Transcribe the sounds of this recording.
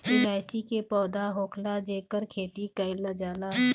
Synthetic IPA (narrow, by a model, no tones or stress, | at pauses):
ilaːt͡ʃikepɔːd̪aɦoːkʰlad͡ʒeːkəɾkʰeːt̪ikaɪlad͡ʒaːla